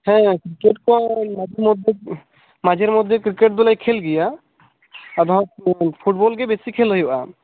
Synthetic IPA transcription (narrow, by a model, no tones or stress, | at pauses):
hɛ̃kɾikeʈ̚kɔnmad͡ʒeɾmɔd̪ʱːe | mad͡ʑʱeɾmɔd̪ʱːekɾikeʈ̚d̪ulajkʰelɡija | ad̪ɔɔpʰuʈ̚bɔlɡebesikʰeloɦewʔa̰